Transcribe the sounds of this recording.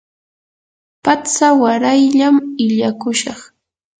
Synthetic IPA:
pat͡sawaɾajʎamɪʎakʊʃɑχ

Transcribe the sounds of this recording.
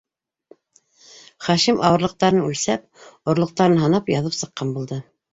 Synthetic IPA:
χæʃimʔɑwɤ̆ɾlˠɤ̆q̚t̪ɑɾɤnʉlsæp̚ | ŏɾlˠɤ̆q̚t̪ɑɾɤnɦɑnɑpjɑðɤpsɤ̆qːɑnbulˠd̪ɤ

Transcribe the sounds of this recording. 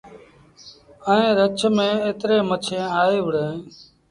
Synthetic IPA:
əẽːɾət͡ʃʰmẽːeːt̪ɾeːmət͡ʃʰẽːaːeːʋəɽẽː

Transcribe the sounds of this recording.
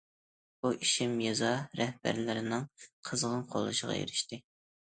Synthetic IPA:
b̥uʔiʃimjɑzɑɾɛhbæ̰ɾlɪɾɪnɪŋqʰəzʁənqʰolˠɨ̰ʃəʁɑ̰jḛɾɪʃt̪ɪ

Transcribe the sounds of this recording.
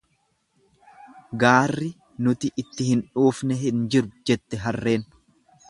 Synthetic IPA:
ɡaːrːɪ | nʊt̪ɪʔːt̪ːɪhɪnᶑuːfnɛɦɪnd͡ʒɪɾʊd͡ʒɛt̪ːɛɦɐrːe̞ːn

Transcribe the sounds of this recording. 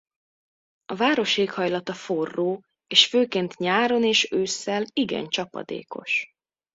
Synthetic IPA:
ɒvaːɾo̞ʃeːkhɒjlɒt̪ɒfo̞rːoː | eːʃføːkeːnt̪ɲaːɾo̞neːʃøːsːɛliɡɛ̰nt͡ʃɒpɒ̰d̪ḛːko̞ʃ

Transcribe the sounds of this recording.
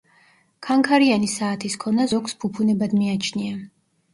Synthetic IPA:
kʰaŋkʰaɾianisaːt̪ʰiskʰɔnazɔkspʰupʰunɛbad̪miat͡ʃʰnia

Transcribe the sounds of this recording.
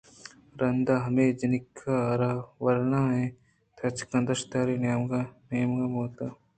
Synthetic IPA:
ɾɐnd̪aːɦɐmeːd͡ʒɐnɪkʰːaɾaːʋɐɾnaːɦɛ̃ː | t̪ʰɐt͡ʃkɐ̃nd̪əʃt̪aːɾinɡnejəmɡamoːt̪aː

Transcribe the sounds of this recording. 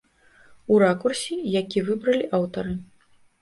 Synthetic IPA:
uɾakursʲijakʲivɨbɾɐlʲiʔawt̪ɐɾɨ

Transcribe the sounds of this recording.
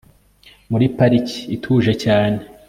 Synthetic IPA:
muɾipaɾici̥ːtʰuʒe̞caːne̞

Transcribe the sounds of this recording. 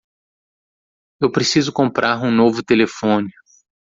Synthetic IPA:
ewpɾesizʊkõmpɾʔaɾũnovʊt̪elefõnɪ

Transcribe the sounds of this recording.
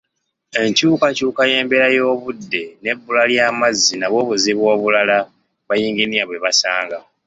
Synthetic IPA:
e̞ɲcuːkacuːkaje̞ːmbe̞ɾajo̞ːβudːe̞ne̞bːulaljaːmazːinaβo̞ːβuziβwo̞ːβulala | βajiːŋɡiniaβwe̞βasaːŋɡa

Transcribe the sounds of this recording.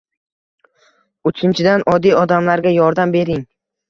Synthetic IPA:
ʊt͡ʃʰɪnt͡ʃʰɪd̪anʔɒd̪ːijɒd̪amlaɾɡʲajɒɾd̪ambe̞ɾɪŋ

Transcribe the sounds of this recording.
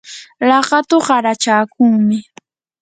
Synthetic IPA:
lɑɢɑt̪oɢɑɾat͡ʃaːkʊŋmɪ

